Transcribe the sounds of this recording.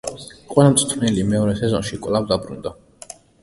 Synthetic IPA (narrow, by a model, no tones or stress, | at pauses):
qʼwɛlamt̪sʼt̪ʰvnɛlimɛɔɾɛsɛzɔnʃikʼvlˠavd̪abɾṵnd̪a